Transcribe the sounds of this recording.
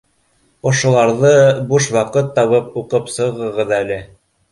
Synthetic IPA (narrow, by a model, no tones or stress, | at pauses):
ŏʃŏlˠɑɾðɤbuʃwɑqɤt̪ːɑβɤp̚uqɤpsɤ̆ʁɤ̆ʁɤðælɘ